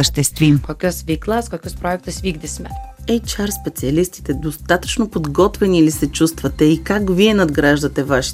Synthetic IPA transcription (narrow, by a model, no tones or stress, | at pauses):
əʃt̪ɛst̪vimkokʲɔsvʲiklˠaskokʲɔspɾoɛk̚t̪əsvʲiɡd̪ɛsmɛɛjt͡ʃaɾspɛt̪siɐlist̪i̥t̪ɛd̪ost̪at̪ə̥t͡ʃnopod̪ɡɔt̪vɛniːlisɛt͡ʃust̪vɐt̪ɛikakviɛnɐd̪ɡɾaʒd̪ɐt̪ɛvaʃi̥